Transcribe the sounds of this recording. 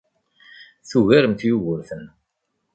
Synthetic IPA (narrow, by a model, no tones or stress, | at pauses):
θuɣæɾəmt̪juɣəɾθən